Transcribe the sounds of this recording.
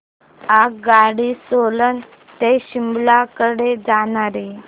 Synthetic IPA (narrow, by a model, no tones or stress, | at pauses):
akɡaɽisolən | t̪eɕimblakəɽed͡zaɽaɾi